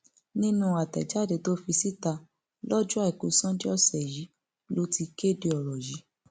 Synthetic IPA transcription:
nĩ˦nũ˧a˨tɛ̰˨d͡ʒa˨˦˨de˧˨to˦fi˧si˦ta˧ | lɔ˦d͡ʒu˦a˦˨i˨ko˨˦sã˦di˦ɔ˦sɛ˨ji˨˦ | lo˦ti˧ke˦˨de˧ɔ˨ɾɔ˨ji˨˦

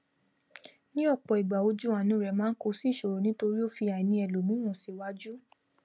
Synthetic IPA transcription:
nĩ˦ɔ˦˨k͡pɔ˨i˨ɡ͡ba˨o˧d͡ʒu˦ã˨nĩ˨˦ɾɛ˧˨mãː˦n̩˦ko˧si˦˨ʃo˨ɾo˨nĩ˦to˧ɾi˦o˦fi˧a˨i˨nĩ˧ɛ˨lo˨nũ˦w̃ɔ̃˨si˨wa˧˦d͡ʒu˦

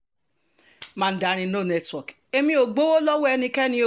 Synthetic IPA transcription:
mã˦˧n̩˦da˦ɾ̃ĩ˧˦no˦˨nɛ˦twɔ˨k | e˧mĩ˧o˨ɡ͡bo˦wo˦lɔ˦wo˦ɛ˧nĩ˧kɛ˦nĩ˧˦o˨

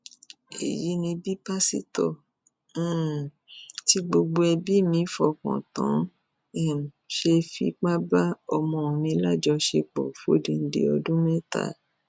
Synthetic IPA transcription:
ḛ˨ji˨˦nĩ˧bi˦pa˦sḭ˦tɔ̃˦˨˦ | ti˧ɡ͡bo˧ɡ͡bo˧ɛ˧bi˦mĩ˨˦fɔ˧˦kɔ̰̃˨tã˨˦ | ɛ˦˨ʃe˧fḭ˧˦k͡pa˦ba˦ɔ˧mɔ̃˧mĩ˧˦la˦˨d͡ʒɔ˧ʃe˧k͡pɔ̰˨fo˦˨dĩ˧n̩˦dḛ˧ɔ˧dũ˦mɛ̃˦˨ta̰˨˦

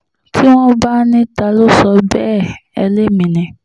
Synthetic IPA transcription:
kʰi˦w̃ɔ̃˦ba˦nĩ˦ta˧lo˦˨sɔ˧bɛ˦˨ɛ˧le˦˨mĩ˨nĩ˨

